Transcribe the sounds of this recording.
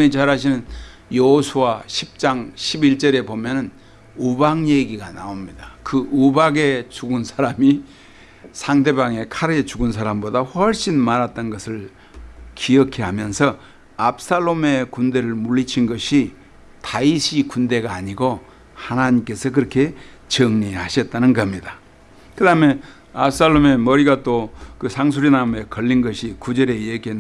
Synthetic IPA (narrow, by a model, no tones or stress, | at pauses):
ɲit͡ɕaɾaɕ̬ʰinɯnjʌɦosʰuwaɕʰip̚t͡ɕ͈aŋɕʰibiɭt͡ɕ͈ʌɾe̞bomjʌnɯn | ubaŋje̞ɡiɡana̰omɲidakɯʔubaɡe̞t͡ɕuɡɯnsʰaɾami | sʰaŋde̞baŋe̞kʰaɾɯet͡ɕuɡunsʰaɾambodaɸʌɭɕ͈inmaɾat̚t͈ʌnɡʌsʰɯɭ | kiʌkʰiɦamjʌnsʰʌ | ap̚s͈aɭːome̞kunde̞ɾɯɭmuɭːit͡ɕʰinɡʌɕʰi | taiɕʰikunde̞ɡaːɲiɡo | hanaɲimk͈e̞sʰʌk̬ɯɾʌkʰe̞ | t͡ɕʌŋɲihaɕʰʌt̚t͈anɯnɡʌɦamɲida | kɯdame̞ | ap̚s͈aɭːome̞mʌɾiɡat͈okɯsʰaŋs̬ʰuɾinaume̞kʌʎːinɡʌɕʰikud͡ʑeɾeeɡe